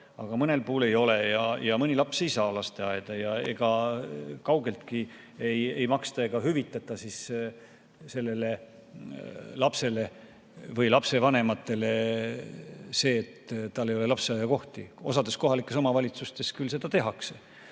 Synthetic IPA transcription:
ɑɡ̥ɑmɤne̞lpuːle̞jo̞le̞jɑjɑmɤnʲilɑpse̞jsɑːlɑst̪e̞ɑjd̪̥ɑjɑe̞̰ɡ̥ɑkɑwɡe̞lt̪ki | eje̞jmɑkst̪ɑe̞ɡ̥ɑɦyvit̪ːˑɑt̪ːˑɑsis | se̞lːe̞le̞ | lɑpse̞le̞ | vɤjlɑpse̞vɑne̞mɑt̪ːˑe̞le̞ | se̞ːt̪ːɑlːe̞joe̞lɑpseɑjɑko̞ht̪io̞̰sɑd̪̥e̞sko̞ɦɑlikːˑe̞so̞mɑvɑlʲit̪sust̪e̞skylse̞d̪̥ɑt̪e̞ɦɑkse̞

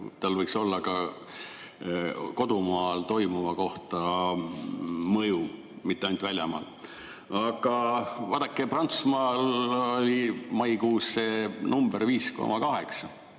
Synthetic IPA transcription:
t̪ɑlvɤjkso̞lːɑkɑ | ko̞d̪̥umɑːlt̪o̞jmuvɑko̞ht̪ɑ | mɤju | mit̪ːeɑnt̪vælʲjɑmɑ̰ːl | ɑɡɑvɑːd̪ɑkːˑeprɑnt̪su̥smɑːlolʲimɑjkuːsːenumb̥erviːsko̞̰mʔɑkɑɦe̞ksɑ

